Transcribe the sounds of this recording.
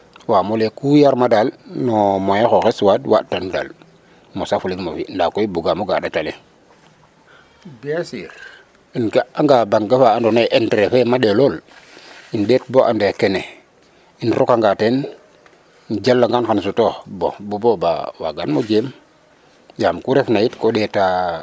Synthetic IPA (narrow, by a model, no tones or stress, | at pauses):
wamolekujaɾmadalnomojaxoxeswadwa̰tanda̰l | mosafuliŋmofindakoibuɡamoɡa̰ɗatale | biasiɾ | inɡaaŋɡabaŋɡefaandoneʔendɾefemaɗelol | inɗet̚boʔa̰ndekene | inɾokaŋɡaten | nd͡ʒalːaŋɡanxans̬utobo̰buboba̰wa̰ɡanmod͡ʒem | jamkuɾefnajitkoɗeta